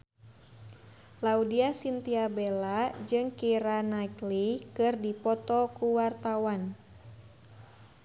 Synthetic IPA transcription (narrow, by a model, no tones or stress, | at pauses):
laudiasint̪iabelad͡ʒɨŋkiɾanaklikɨrdipɔt̪ɔkuwart̪awan